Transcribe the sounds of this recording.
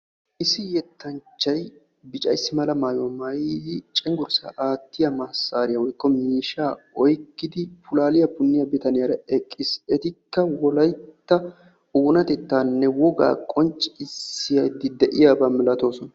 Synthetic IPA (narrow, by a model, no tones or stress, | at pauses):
ʔɪsɪjɛt̪ːɐnt͡ʃːɐj | bɪt͡ʃʼɐ̰jsːɪmɐlɐmaːjomɐjdɪt͡ʃʼɪŋɡʊɾsa̰ʔaːt̪ːɪjɐmɐsːaːɾɪjɐwɔjkːɔmiːʃaːɔjkːɪd̪ɪpʊlaːlɪjɐpʊnːɪjɐbɪt̪ɐnɪjɐɾɐɛkʼːɪsɛt̪ɪkːɐwɔlɐjt̪ːɐ | uːnɐt̪ɛt̪ːaːnːɛwɔɡa̰ːkʼɔnt͡ʃʼɪsɪjɐjd̪ɪd̪ɛʔɪjaːbamɪlɐt̪o̞ːsɔnɐ